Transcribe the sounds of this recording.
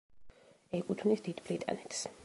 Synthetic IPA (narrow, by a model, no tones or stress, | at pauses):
ɛkʼut̪ʰvnisd̪id̪bɾit̪ʼa̰nɛt̪ʰs